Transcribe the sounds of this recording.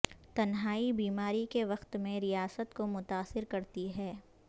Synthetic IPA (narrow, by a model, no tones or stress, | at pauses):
t̪ɐnɦaːibiːmaːɾikeʋɐqt̪mẽɾijaːsət̪komʊt̪aːsɪɾkɐɾt̪iɦɛː